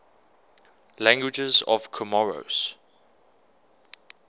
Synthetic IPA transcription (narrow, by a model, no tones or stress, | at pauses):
læ̃ŋɡwɪd͡ʒəzɔ̰vkʰəmɔɹo̰s